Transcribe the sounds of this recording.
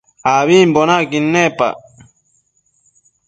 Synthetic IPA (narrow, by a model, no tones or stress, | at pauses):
aːβiːmbonakinːepa̰